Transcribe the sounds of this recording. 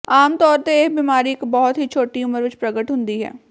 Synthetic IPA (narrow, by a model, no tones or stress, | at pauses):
aːmt̪ɔːɾt̪eeːkbiːmaːɾiɪkbɔɦʊt̪ɦit͡ʃʰoːʈiʊməɾʋɪt͡ʃpɾɐɡəʈɦʊ̃nd̪iɦɛ̰ː